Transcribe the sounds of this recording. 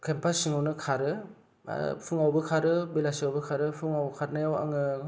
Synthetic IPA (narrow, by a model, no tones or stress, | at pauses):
kʰempʰasiŋawnɯkʰaɾɯ̰ | pʰɯŋawbɯkʰaɾɯbelasiawbɯkʰaɾɯpʰɯŋawkʰaɾnɯjawa̰ŋɯ